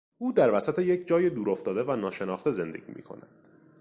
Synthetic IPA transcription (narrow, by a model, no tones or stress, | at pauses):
uːd̪æɾvæsæt̪ʰe̞jecʰd͡ʒɒːjed̪uːɾo̞ft̪ɒːd̪e̞vænɒːʃe̞nɒːxt̪e̞ze̞nd̪eɟ̥ḭːmḭːkʰo̞̰næ̰d̪̥